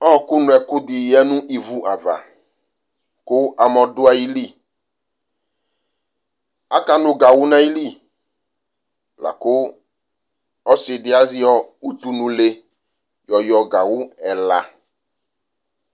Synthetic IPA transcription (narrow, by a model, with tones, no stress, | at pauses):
ɔ˦˨kʊ˦nʊ̃˨ɛ˨kʊ˦d̪ɪ˨ɛ˦nũ˦ʔi˨vu˦ʔa˨va̰˨ | kʊ˦a˨mɔ̃˨dʊ˦a˨ji˦li˦˨ | a̰˦ka˨nʊ̃˨ɡa˨wʊ˦nã˦ji˦li˦˨ | la̰˨kʊ˦ | ɔ˦sɪ˨dɪ˨˦a˦zɪ˦ɔ˦u˦t̪u˦nũ˨le˨ | jɔ˨jɔ˨ɡa˨wʊ˦ɛ˨la̰˨